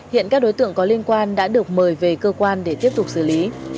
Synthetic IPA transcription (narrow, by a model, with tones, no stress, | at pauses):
hḭ˧˨ənkaː˦˥k̚ɗo˨˦jt̪ɨ̰˧˨əŋkɔ˨˦li˧ənkwaː˧nɗa̰ː˧˥ɗɨ˨˩ək̚məː˨˩jve˨˩kəː˧kwaː˧nɗe˧˩t̪i˦˥əp̚t̪ʊ˨˩k͡p̚sɨː˧˩li˨˦